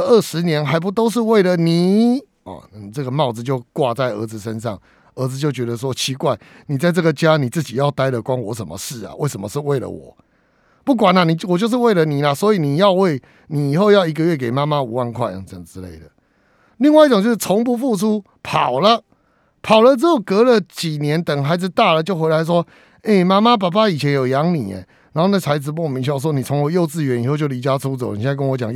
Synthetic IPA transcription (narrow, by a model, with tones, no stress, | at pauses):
ə˥˩ʂɻ̩˧˦njɛ˧˦nɦa˧˥ɪp̬u˧˦t̪o˥ʊʂ̬ɻ̩˥˧we˥˨ɪlə˨ni˨˩ | ɔ̰˨ni˨t͡sə˥˩ɡə˨mɑ˥˩ʊd͡z̩˩t͡ɕjo˥˧ʊkwa˥˧t͡sa˥˩ɪə˧˥d͡zɹ̩˨˩ʂə˦nʂɑ̰˥˩ŋ | ə˧˥d͡zɹ̩˧t͡ɕjo˥˩ʊt͡ɕɥɛ˧˥d̪ə˧ʂ̬wɔ˦˥t͡ɕʰi˧˥kwa˥˩ɪ | ni˨˩t͡sa˥˧ɪt͡sɤ˥˩ɡə˩t͡ɕja˦ni˨˩t͡sɹ̩˥˩t͡ɕi˨˩jɑ˥˩ʊt̪a˥ɪlə˨kwa˦˥nwɔ˧˥ʂə˨˦nmə̰˨ʂɻ̩˥˩a̰˨we˥˩ɪʂə˨˦mə˨˧ʂ̩˥˧we˥˩ɪlə̰˩wɔ̰˨˩ | pu˥˩k̬wa˨˩na˨ni˨˩wɔ˨˩t͡ɕjo˥˧ʊʂ̬̩˥˧we˥˩ɪlə˨ni˨˩la˨swɔ˧˦i˨ni˨˩jɑ˥˧ʊwe˥˩ɪ | ni˨i˨˩xo˥˧ʊjɑ˥˩ʊi˧˥ɡə˧ɥɛ˥˩k̬e˨˩ɪma˦˥ma˦u˨˦wa˥˨nkʰwa˥˩ɪj̰ŋt͡sə˨˩ŋʈ͡ʂɻ̩˦lḛ˥˩ɪd̪ə˩ | li˥˧ŋwa˥˧ɪi˥˩ʈ͡ʂŋt͡ɕjo˥˧ʊʂ̩˧˩t͡sʰɔ˧˥ŋp̬u˧fu˥˧ʈ͡ʂʰu˦˥ | pʰɑ̰˨˩ʊlə˦ | pʰɑ˨˩ʊlə˦t͡s̩˥jo˩kɤ˧˥lə˨t͡ɕi˨˩njɛ˧˦nt̪ə˨ŋɦa˧˥ɪd͡zɹ̩˨t̪a˥˩lə˨t͡ɕjo˥˩ʊxwe˧˥ɪa˧˥ɪʂ̬wɔ˥ | e˥˩ma˥ma˦p̬a˨˩pa˥i˨˩t͡ɕʰjɛ˧˥njo˨ʊjɑ˧˦ŋnḭ˨˩ɛ̰˦ | na˨˧˦ho˥˧na˥˩a˧˥ɪd͡zɹ̩˨pmi˧˦ŋɕʂwɔ˦˥ni˨˩t͡sʰo˧˦ŋwo˧˦jo˥˧ʊt͡sɹ̩˥˩ɥɛ˧˦ni˨xo˥˧t͡ɕo˥˩li˧˥t͡ɕja˦˥t͡sʰu˦t͡sni˨jɛ˧˥a˥˧kə˥nwɔ˧˦t͡ɕjɑ˨˩ŋ